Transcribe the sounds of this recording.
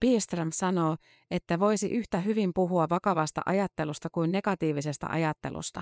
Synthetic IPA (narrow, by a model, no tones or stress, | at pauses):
piːst̪ræmsɑnoː | et̪ːæʋo̞isiʔyht̪æɦyʋimpuɦuɑʋɑkɑʋɑst̪ɑ̰ʔɑjɑt̪ːe̞lust̪ɑkuinne̞kɑt̪iːʋisest̪æ̰ʔɑ̰jɑt̪ːe̞̰lṵst̪ɑ